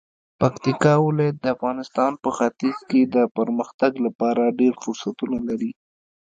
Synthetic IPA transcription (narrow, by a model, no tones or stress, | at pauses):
pakt̪ikɑwɪlɑjat̪̚d̪əafɣɑnɪst̪ɑnpəxat̪iz̥ked̪əpəɾməxt̪aɡlapɑɾaɖeɾfʊɾsat̪unalaɾi